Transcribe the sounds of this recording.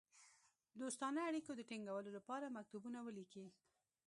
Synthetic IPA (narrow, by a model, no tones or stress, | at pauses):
d̪ost̪ɑnəaɽikod̪əʈiŋɡawəlolapɑɾamak̚t̪ubunawəliki